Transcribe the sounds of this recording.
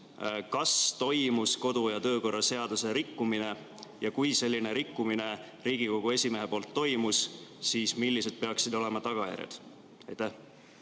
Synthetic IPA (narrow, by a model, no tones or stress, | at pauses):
kɑst̪o̞jmusko̞d̪̥ujɑt̪ɤːko̞rːɑse̞ɑd̪̥use̞ɾikːumine̞ | jɑkujse̞lʲːine̞ɾikːumine̞ | ɾiːɡ̥iko̞ɡ̥ue̞sʲime̞ɦe̞po̞ːlt̪ːo̞jmussiːsmilʲːise̞d̪̥̚pe̞ɑksid̪o̞le̞mɑt̪ɑɡ̥ɑjæ̰ɾjḛd̪̥ | ɑjt̪æh